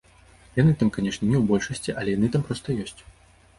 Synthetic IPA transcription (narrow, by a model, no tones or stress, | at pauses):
janɨt̪amkanʲɛʂnʲɐnʲɛwbɔlʲʂɐsʲt͡sʲiʔɐlʲɛjanɨt̪ampɾɔst̪ɐjɔsʲt͡sʲ